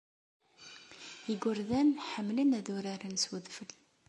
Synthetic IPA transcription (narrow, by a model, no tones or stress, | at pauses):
iɡʷʊɾðænħəmːlənæðʊɾaɾənswəðfəl